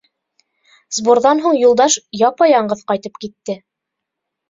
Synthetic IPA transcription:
zbuɾðɑnɦuɴjulˠd̪ɑʃjɑpɑjɑɴɢɤðqɑjt̪ɤpkit̪ːɘ

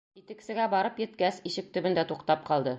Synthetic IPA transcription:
it̪ɘ̆ksɘ̆ɡæbɒɾɤpjɘ̆t̪kæsiɕɘk̚t̪ɵ̆bɘ̆nd̪æt̪uqt̪ɑp̚qɒlˠd̪ɤ

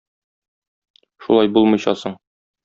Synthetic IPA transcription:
ʃṵlˠɑjbulˠmɤ̆jɕɑ̰sɤɴ

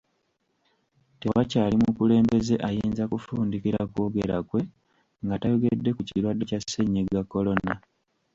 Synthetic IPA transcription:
tewacaːlimukule̞ːmbe̞ze̞ʔajiːnzakufuːndikiɾakwo̞ːɡe̞ɾakwe̞ | ŋɡatajoɡe̞dːe̞kuciɾwadːe̞casːe̞ɲːeɡakːo̞lo̞na

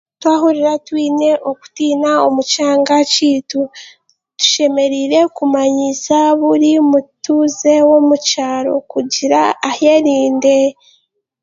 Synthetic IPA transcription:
twaːɦuɾiɾatwiːne̞ʔo̞ku̥tiːnaomucaːŋɡaciːtu | tu̥ʃe̞me̞ɾiɾe̞kumaɲisaβuɾimutuze̞wo̞mucaːɾo̞̰kuɟiɾaːhe̞ɾiːnde̞

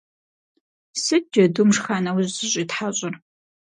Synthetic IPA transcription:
sɨd͡ʒɐdumʂxaːnɐwʑzɨɕʼitħaɕʼɪr

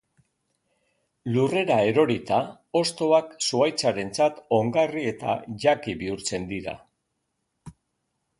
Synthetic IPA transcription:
lure̞ɾae̞ɾo̞ɾit̪a | o̞st̪o̞aksuajt͡saɾe̞nt͡sat̪o̞ŋɡarie̞t̪a̰ʝakiβiuɾt͡se̞nd̪iɾa̰

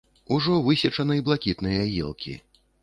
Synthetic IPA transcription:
uʐɔvɨsʲɐt͡ʂɐnɨiblˠakʲit̪nɨjɐjɛ̰lˠkʲḭ

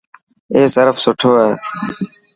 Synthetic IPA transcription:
eːsɪɾfsʊʈʰoːɦeː

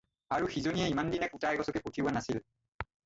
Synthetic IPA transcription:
aɹuxizonijɛimandinɛkutajɡɔsɔkɛputʰiwanasil

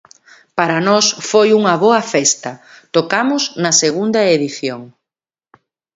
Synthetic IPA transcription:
paɾɐnɔsfojuŋɐβɔɐfɛst̪ɐt̪okamʊsnɐseɣund̪ɐeðiθjoŋ

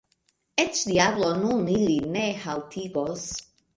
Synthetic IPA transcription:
et͡ʃdiablonunilinehawt̪ʰiɡos

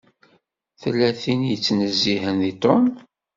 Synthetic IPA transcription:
θəlːæθinjət͡sːnəzːihənðit̪ˤɔm

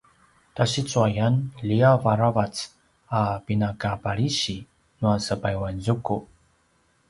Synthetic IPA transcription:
taɕit͡suajanliavaɾavat͡s | apinakapaɭiɕi | nuasəpajwanzuku

